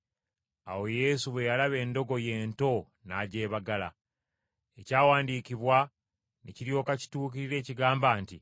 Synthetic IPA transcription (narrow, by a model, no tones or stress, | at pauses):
a̰wo̞je̞suβwe̞jalaβe̞ːndo̞ɡo̞je̞ːnto̞ | naɟe̞ːβaɡala̰ | ecaːwaːndiːkiβwa | neciɾijo̞ːkaci̥tuːk̬iɾiɾe̞ːciɡaːmbaːnti